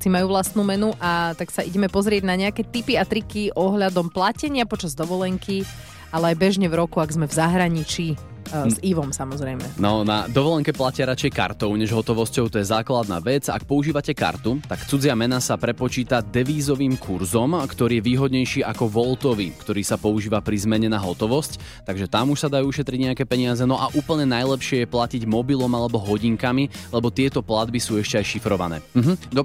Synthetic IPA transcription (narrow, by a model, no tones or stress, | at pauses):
t͡simajuːʋlast̪nuːmɛnuʔat̪aksaʔiɟɛmɛpɔzɾɪɛɟnaɲɛakɛt̪ipiat̪ɾikiʔɔɦʎad̪ɔmplacɛɲɪapɔt͡ʃazd̪ɔʋɔlɛŋki | alɛajbɛʒɲɛvɾɔkuaɡzmɛvzaɦɾaɲit͡ʃi | ziʋɔmsamɔzɾɛjmɛnɔna̰d̪ɔʋɔlɛŋkɛplacɪaɾat͡ʃɛjka̰ɾt̪ɔʊɲɛʒɦɔt̪ɔʋɔscɔʊt̪ɔjɛzaːklad̪na̰ːʋɛd͡za̰k̚pɔuʒiːʋacɛka̰ɾt̪ut̪akt͡sud͡zɪamɛnasapɾɛpɔt͡ʃiːt̪ad̪ɛʋiːzɔʋiːmkʰuɾzɔmkt̪ɔɾiːjɛʋiːɦɔd̪ɲɛjʃiːʔakɔʋɔlˠt̪ɔʋikt̪ɔɾiːsapɔuʒiːʋapɾizmɛɲɛnaɦɔt̪ɔʋɔsc | t̪aɡʒɛt̪amuʃsad̪ajuuʃɛt̪ɾiɟɲɛakɛːpɛɲɪazɛnɔʔaʔuːpl̩ɲɛnajlɛpʃɪɛjɛplaciɟmɔbilɔmalɛbɔɦɔɟiŋkamilɛbɔt̪ɪɛt̪ɔplad̪̚bisuːɛʃcɛajʃifɾɔʋa̰nɛ̰ː